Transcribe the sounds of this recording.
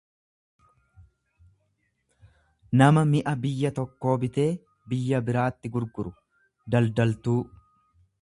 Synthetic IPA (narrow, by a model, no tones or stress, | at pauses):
nɐmɐmɪʔɐbɪjːɐt̪ɔkːo̞ːbɪt̪e̞ː | bɪjːɐbɪɾaːt̪ːɪɡʊɾɡʊɾʊ | d̪ɐld̪ɐlt̪uː